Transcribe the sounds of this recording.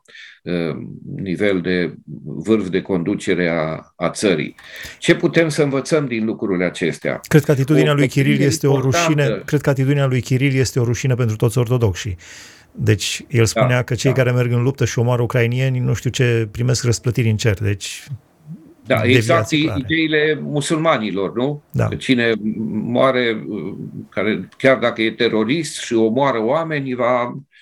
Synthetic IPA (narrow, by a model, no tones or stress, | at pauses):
ənive̞ld̪e̞vɨrvd̪e̞ko̞nd̪ut͡ʃe̞ɾe̞aat̪səɾḭt͡ʃe̞put̪e̞msəɨnvət̪səmd̪inlukɾuileat͡ʃe̞st̪ea̰kɾed̪̚kəat̪it̪ud̪inealujkʲiɾilje̞st̪e̞oɾuʃinəkɾe̞d̪̚kəat̪it̪ud̪inealujkʲiɾilje̞st̪e̞o̞ɾuʃinəp̬e̞nt̪ɾut̪osʲo̞rt̪o̞d̪o̞kʃḭ | d̪e̞t͡ʃʲjelspuneakət͡ʃe̞jkaɾe̞me̞rɡɨnlup̚t̪əʃio̞moaɾəukɾainie̞nʲnuʃt̪iut͡ʃe̞pɾime̞skrəsplət̪iɾʲɨnt͡ʃe̞rd̪e̞t͡ʃʲ | d̪a̰ed̪eɡvizaat̪iiaied̪eilemusulmanilo̞rnud̪a̰kət͡ʃinemoaɾe̞ | kaɾekʲard̪akəje̞t̪e̞ɾo̞ɾist̪ʃio̞moaɾəoame̞nʲva